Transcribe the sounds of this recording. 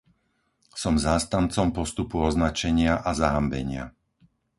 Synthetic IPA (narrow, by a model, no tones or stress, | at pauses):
sɔmzaːst̪ant͡sɔmpɔst̪upuɔznat͡ʃɛɲɪaʔazaɦambɛ̰ɲɪa̰